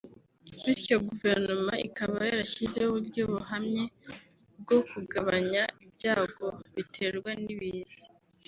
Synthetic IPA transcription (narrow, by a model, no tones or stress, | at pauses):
iɾco̞ɡuve̞ɾnomaʔḭkaβajaɾaʃizeuβuɾɟoβuɦamɲe̞ | b̚ɡo̞kuɡaβaɲaibɟaːɡo̞βitʰe̞ɾɡwaniβizi̥